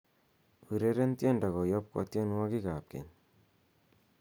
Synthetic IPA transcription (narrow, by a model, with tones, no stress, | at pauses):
u˨ɾe˦ɾe˦ntjɔ˦˨nda˨kɔ˨jɔ˦p̚kɔ̰˨tjɔ˦n˦wa˦ki˦ka˨p̚kḛ˨n